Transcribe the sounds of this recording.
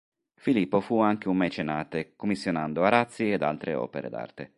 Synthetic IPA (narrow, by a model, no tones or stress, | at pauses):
filipːofuaŋk̟eumːɛt͡ʃenaːt̪ekomːisːjonand̪oaɾat̪sːied̪a̰lt̪ɾḛɔ̰ːpeɾḛd̪a̰rt̪e